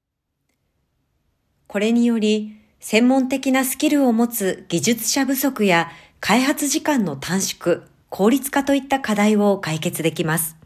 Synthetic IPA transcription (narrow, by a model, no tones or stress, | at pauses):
ko̞ɾe̞ɲ̟ijo̞ɾʲi | sẽ̞mːõ̞nt̪e̞kʲinasɨ̥kʲiɾɯ̟o̞mo̞t͡sɨɡ̥ʲiʑɨt͡sɨ̥ɕabɯ̟so̞kɯ̟ja | kʰaiɦat͡sɨʑikãnːo̞t̪ʰãɰ̃ɕi̥kɯ̟ | kʰo̞ːɾʲit͡sɨ̥kat̪o̞it̪ːakad̪aiβo̞kaike̞t͡sɨd̪e̞kʲimasɨ̥